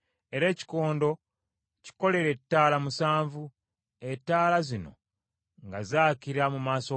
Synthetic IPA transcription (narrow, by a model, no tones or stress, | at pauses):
e̞ɾe̞ːci̥ko̞ːndo̞ | ci̥ko̞le̞ɾe̞tːaːlamusaːɱvu | etːaːlazino̞̰ | ŋɡazaːciɾamumaːso̞